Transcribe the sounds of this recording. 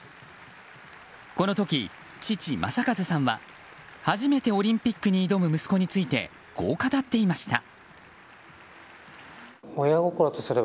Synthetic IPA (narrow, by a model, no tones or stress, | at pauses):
ko̞no̞t̪o̞kʲi | t͡ɕit͡ɕimʔa̰sakazɨsãɰ̃βa̰ | haʑime̞t̪e̞o̞ɾʲĩmpʲikːɯ̟ɲ̟iːd̪o̞mɯ̟mɯ̟sɨ̥ko̞ɲ̟it͡sɨit̪e̞̰ | ɡ̥o̞ːkat̪at̪ːe̞imaɕi̥t̪a̰ | ojaɡo̞koɾot̪osɨɾe̞